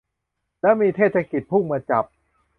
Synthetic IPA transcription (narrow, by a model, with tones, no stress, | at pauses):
lɛ˦˥miː˧t̪ʰeː˥˩t̪̚ʰa˧ki˨˩t̪̚pʰu˥˩ŋmaː˧t͡ɕa˨˩p̚